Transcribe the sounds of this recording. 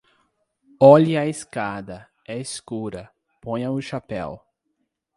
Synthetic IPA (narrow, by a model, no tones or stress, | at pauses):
ɔʎɪɐeskad̪ɐ | ɛeskuɾɐ | põj̃ɐʊʃapɛ̰w